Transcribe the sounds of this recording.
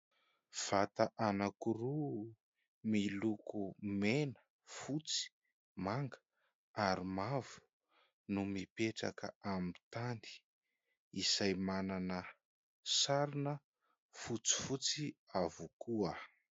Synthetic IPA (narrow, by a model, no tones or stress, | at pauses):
v̥at̪aʔanakuɾu | milukumenə̥ | fut͡si̥ | maŋɡə̥ | aɾimavu̥ | numipeʈ͡ʂa̰kə̰amit̪and̪i̥ | isajmananə | saɾinə | fut͡si̥fut͡siavukuə